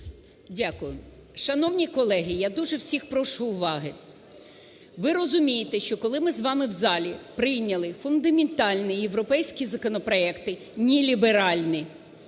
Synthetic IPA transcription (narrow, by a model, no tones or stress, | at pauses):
dʲakʊjʊ | ʃɐnɔwnʲikɔlˠɛɦɪjad̪uʒɛwsʲixpɾɔʃuːʋɑɦɪ | ʋɪɾɔzʊmʲijɪt̪ɛʃt͡ʃɔkɔlˠɪmɪzʋɑmɪwzɑlʲipɾɪjnʲɐlˠɪfʊnd̪ɐmʲɪnt̪ɑlʲnɪjeʋɾɔpɛjsʲkʲizɐkɔnɔpɾɔɛkt̪ɪ | nʲilʲibeɾɑlʲnɪ